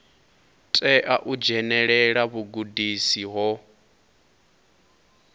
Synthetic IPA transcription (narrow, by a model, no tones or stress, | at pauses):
tʼɛʔaʔud͡ʒɛnɛɺɛɺaβuɡudisiɦɔ